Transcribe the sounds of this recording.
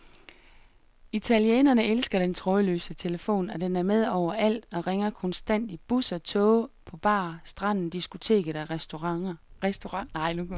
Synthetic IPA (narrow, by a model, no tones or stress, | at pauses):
it͡sʰæliḛːnɐnəelsɡ̥ɐd̥ent͡sʰʁɔðˠəlø̰ːsət͡sʰe̝ləfo̝̰ːnɒd̥enæɐmeð̞ˠɒʊ̰ɐæl̰d̥ɒ̽ʁeŋɐkʰɒ̽nsd̥æn̰d̥ib̥usɒ̽t͡sʰɔːpʰɒ̽b̥ɑ̰̈ːsd̥ʁɑ̈n̰n̩d̥isɡ̥ut͡sʰe̝̰ːɡ̥ð̩ˠæ | sd̥oʁɑŋnɑ̈ɪ̰nuk